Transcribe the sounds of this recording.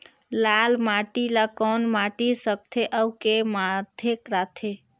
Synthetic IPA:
lalmaʈilakɔnmaʈisək̚t̪ʰeʔəwkemad̪ʱekɾat̪ʰe

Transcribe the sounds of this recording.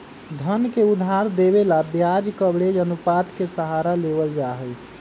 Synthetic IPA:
d̪ʱənkeud̪ʱɦaɾd̪ebelabjad͡ʒkəbɽed͡ʒənupat̪kesəɦaɾaleβəld͡ʒaɦəj

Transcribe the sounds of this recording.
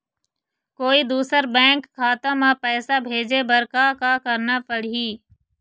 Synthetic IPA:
koːid̪uːsəɾbɛ̃ːŋkkːaːt̪ãmãpɛːsabʱeːd͡ʒebəɾkakakəɾnapəɽɦiː

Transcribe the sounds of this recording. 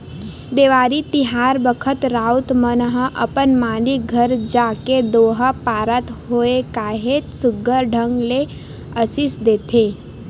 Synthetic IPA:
d̪eːʋaːɾit̪ɪɦaːɾbəkʰət̪ɾaːʊt̪mənəɦəʔə̰pənmaːliɡʱəɾd͡ʒaːked̪oːɦəpaːɾət̪hoːekaːɦetsʊɡəɾɖʱə̃ŋɡle | əsɪsd̪eːt̪ʰeː

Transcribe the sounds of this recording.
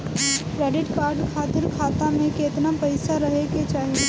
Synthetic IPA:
kɾɛːɖɪʈkaːɾɖkʰaːt̪ɪɾkʰaːt̪amẽkeːt̪napɐɪsaɾɐɦeket͡ʃaːɦie

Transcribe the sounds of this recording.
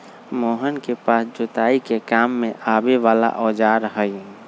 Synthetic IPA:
moːɦənkepaːsd͡ʒot̪aːikekaːmːẽʔaːbeʋaːla̰ʔɔːd͡ʒaːɾəɦəi

